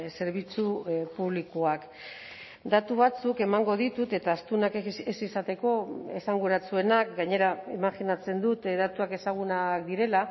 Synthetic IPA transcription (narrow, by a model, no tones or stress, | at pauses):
se̞ɾβ̞it͡supuβlikuak | d̪at̪uβ̞at͡suke̞maŋɡo̞ðit̪ut̪e̞t̪aːst̪unakesisat̪e̞ko̞e̞saŋɡueɾat͡sue̞nakɡaɲe̞ɾaemaxinat͡se̞nd̪ut̪ðat̪uake̞saɣ̞unakd̪iɾe̞la